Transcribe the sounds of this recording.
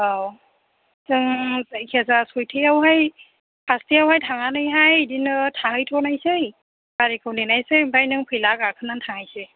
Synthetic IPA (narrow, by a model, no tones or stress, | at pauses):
aw | zɯŋzajkʰɛzasɔjtʰɯjawɦaj | pʰastʰijawɦajtʰaŋanɯjɦajdinɯtʰahɯjtʰɔnajsej | baɾikʰɯwninajsejmbajnɯŋpʰɯjlaɡakʰɯnantʰaŋajse